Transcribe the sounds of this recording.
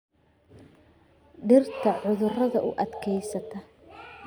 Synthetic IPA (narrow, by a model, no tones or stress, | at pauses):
ɖɪrt̪ʰɐʕʊðʊrɐðɐʔʊːʔɐd̪kʰɛjsɐt̪ʰɐ